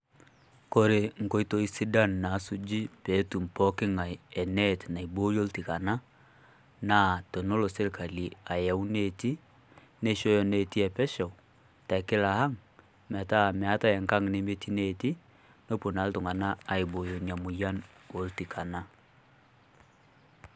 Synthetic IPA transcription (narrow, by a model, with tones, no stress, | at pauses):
ko˦˨ɾe˨ŋ̩˨ko˦i˦to˨i˦si˦da˦˨nna˨˦su˦d͡ʒi˦pe˨˦tu˨m˨pɔ˦kɪ˦ŋa˨jɛ˨nɛ˦tna˨i˨bo˦jo˦lti˨ka˨na˦ | na˦to˨no˦lo˨se˦lka˨li˨a˨ja˨u˦ne˦˨ti˦ | ne˦ʃo˦jɔ˨ne˨ti˦ɛ˨pɛ˦ʃɔ˨w | ta˨kɪ˦la˨ha˦ŋ | mɛ˨ta˦˨mɛ˨a˦ta˦ɛ˨ŋka˦ŋne˦me˦tʰi˦ne˦ti˦ | no˦po˨na˨˦ltʊ˨ŋa˨na˦a˨i˨bo˨jo˨ɲa˨mʊ˨ja˦no˨˦lti˨kʰa˨na˦